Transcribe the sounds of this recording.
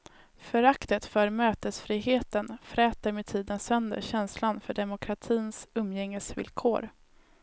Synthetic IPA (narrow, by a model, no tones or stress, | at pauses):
fœɾakt̪ət̪fœːɾmøːt̪əsfɾiːɦeːt̪ənfɾɛːt̪əɾmeːd̪̚t̪ʰiːd̪ənsœnd̪ə̰ɾɕɛnslanfœɖɛmʊkʰɾat̪ʰiːnsɵmːjɛŋːəsvɪ̰lkʰoːɾ